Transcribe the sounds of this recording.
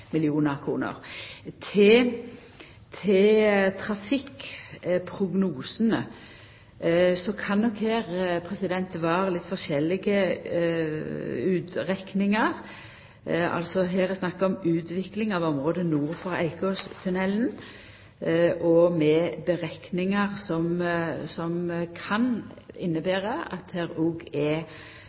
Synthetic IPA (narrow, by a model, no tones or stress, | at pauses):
mɪlɪuːnəʁkʰʁṵːnə̰ɾt̪ʰɛ | t̪ʰɛt̪ʰɾɑfɪk | pʰɾʊɡnuːsənə | sɔkʰɑnːɔkheːʁpʰʁɛsɪd̪ɛnt̪ʋɑːɾəlɪt̪fɔʁʂɛlɪɡə | ʉːt̪ʁɛknɪŋɑʁ | ɑ̰lsɔɦeːɾɛsnɑkːɑɔmʉːt̪ʋɪklɪŋɑʋɔmʁoːd̪ənuːʁfɔʁæ̰ɪkʰoːst̪ʰʉnɛln | ʔɔmɛbəʁɛknɪŋəʁsɔmsɔmkʰɑnɪnːəbæːɾəɑ̰t̪hɛːɾuːɡɛ